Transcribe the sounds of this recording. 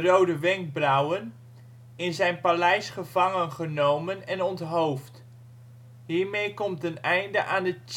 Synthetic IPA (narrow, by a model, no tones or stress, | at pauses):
rowdəʋɛŋɡ̚brawən | ɪnzɛjnpalɛjsχəvɑŋənχənowmənɛnɔntɦowft | ɦiːɹmejkɔmtənɛjndəʔaːndət͡ʃ